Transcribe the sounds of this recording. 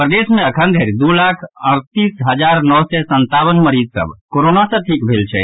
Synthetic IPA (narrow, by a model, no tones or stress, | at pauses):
pɾəd̪esmẽəkʰənd̪ʱəɾid̪ulakʰə̰ɽ̃t̪isɦəd͡ʒaɾnɔwsɛsənt̪awənməɾid͡ʒsə̰bkoɾonasə̃ʈʰikbʱelt͡ʃʰɛ̰